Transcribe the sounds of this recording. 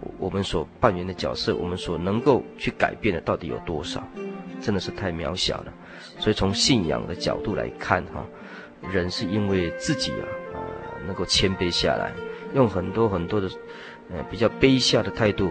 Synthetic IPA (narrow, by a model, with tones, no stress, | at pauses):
wʔɔ˨˩mə˦nswɔ˨˩pa˥˩nɥɛ˧˥nd̪ə˧t͡ɕjɑ˨˩ʊsɤ̰˥˩wɔ̰˨˩mə˦nswɔ˨˩nɤ˧˥ŋko˥˩˧ʊt͡ɕʰy˥˩ka˨˩ɪpjɛ˥˩nd̪ə˩t̪ɑ˥˩ʊt̪ḭ˨˥jo̰˨˩ʊt̪wɔ˥ʂɑ̰˨˩ʊʈ͡ʂə˥nd̪ə˨ʂɻ̩˥˧t̪ʰa˥˩ɪmjɑ̰˧˥ʊɕjɑ̰˨˩ʊd̪ə˦ | swi˨˩t͡sʰʊ˧˥ŋɕi˥˩njɑ̰˨˩ŋd̪ə˦t͡ɕjɑ̰˨˩ʊt̪u˥˩lʔa̰˧˥ɪkʰa̰˥˩nxɔ̰˩ | ɻə˧˥nʂɻ̩˥˩i˦˥nwe˥˩ɪt͡sɹ̩˥˩t͡ɕḭ˨˩ɐ̰˩ə̰˧˩nə˧ŋko˥˩ʊt͡ɕʰjɛ˥npe˥ɪɕja̰˥˩la̰˧˥˦ɪjʊ˥˩ŋxə˨˩nt̪wɔ˥xə˨˩nt̪wɔ˥d̪ə˨ | ə˨˩pi˨˩t͡ɕjɑ˥˩ʊpe˥ɪɕja˥˩d̪ə˩t̪ʰa˥˧ɪt̪u˥˩